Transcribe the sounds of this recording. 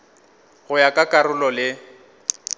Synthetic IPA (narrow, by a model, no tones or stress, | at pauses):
ɣʊjakʼakʼaɾʊlɔlɪ